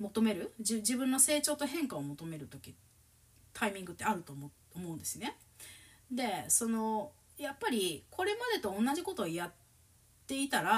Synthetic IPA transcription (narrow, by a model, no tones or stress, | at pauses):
mo̞t̪o̞me̞ɾɯ̟d͡ʑid͡ʑibɯ̟̃nːo̞se̞ːt͡ɕo̞ːt̪o̞ɦẽ̞ŋkaomo̞t̪o̞me̞ɾɯ̟t̪o̞kʲi | t̪ʰaimʲĩŋɡɯ̟t̪ːeaɾɯ̟t̪o̞mo | omo̞ɯ̟̃nd̪e̞sɨne̞ | d̪e̞so̞no̞ | japːaɾʲikʰo̞ɾe̞mad̪e̞t̪õ̞ːnːaʑiko̞t̪o̞jat̪ː | e̞it̪aɾa